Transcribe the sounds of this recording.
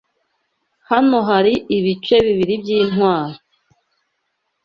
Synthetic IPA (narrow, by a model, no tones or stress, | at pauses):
hano̞ɦaɾiʔiβit͡ʃe̞βiβiɾibjiːn̥waːɾo